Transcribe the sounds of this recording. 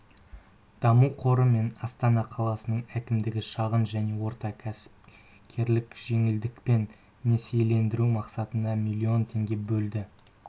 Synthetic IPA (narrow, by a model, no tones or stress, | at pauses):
d̪̥ɑmuqʰo̞ɾəme̞nɑst̪ɑnɑqʰɑlˠɑsənəɴækʲɪmd̪ɪɡʲɪʃɑʁənʒæne̞wo̞ɾt̪ɑkʲʰæ̥p | kʲʰe̞ɾlɪkʒ̥e̞ŋɪld̪ɪkpe̞nː | esejle̞nd̪ɪɾumɑqsɑt̪ənd̪ɑmilʲˠːio̞nt̪ʰe̞ŋɡʲe̞bɵld̪ɪ